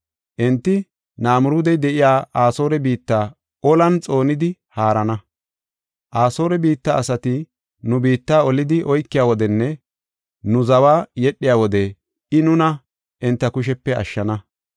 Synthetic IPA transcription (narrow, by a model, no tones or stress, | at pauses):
ʔɛnt̪ːɪ | naːmʊɾuːd̪ɛjd̪ɛʔɪjaːʔaːso̞ːɾɛbiːt̪ːaː | ɔlɐnt͡sʼo̞ːnɪd̪ɪhaːɾɐnɐ | ʔaːso̞ːɾɛbiːt̪ːaːsɐt̪ɪ | nʊbiːt̪ːaːɔlɪd̪ɪʔɔjkːɪjaːwɔd̪ɛnːɛ | nʊzɐwaːjɛɗːɪjaːwɔd̪ɛ | ɪnʊnɐ | ʔɪnt̪ːɐkʊʃ̬ɛpːɛɐ̰ʃːɐnɐ